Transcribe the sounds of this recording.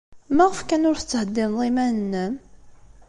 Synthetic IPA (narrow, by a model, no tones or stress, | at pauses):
mæʁəfkænʊɾθə̥t͡sːəhəd̪ːɪmðˤimænənːəm